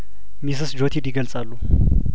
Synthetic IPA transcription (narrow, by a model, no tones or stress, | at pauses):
mis̬ɨsd͡ʒot̪ʰid̪iɡəlt͡sʼalːu